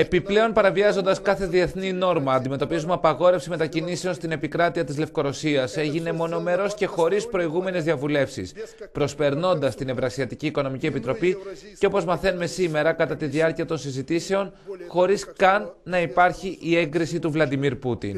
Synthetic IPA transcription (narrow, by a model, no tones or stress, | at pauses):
e̞piple̞o̞npɐɾɐviɐzo̞nd̪ɐskɐθe̞ðie̞θnino̞ɾmɐːnd̪ime̞t̪o̞pizumeɐpɐɣo̞ɾe̞fsime̞t̪ɐcinise̞o̞nst̪ine̞pikɾɐt̪iɐt̪izle̞fko̞ɾo̞siɐse̞ʝine̞mo̞no̞me̞ɾo̞sce̞xo̞ɾispɾo̞iɣume̞ne̞zðiɐvule̞fsḭspɾo̞spe̞ɾno̞nd̪ɐst̪ine̞vɾɐsiɐt̪iciːko̞no̞micie̞pit̪ɾo̞pi | ceo̞po̞zmɐθe̞nume̞sime̞ɾɐkɐt̪ɐt̪iðiɐɾciɐt̪o̞nsizit̪ise̞o̞nxo̞ɾiskɐnːɐipɐɾçiʔieŋɡɾisit̪uvlɐd̪imiɾput̪ḭn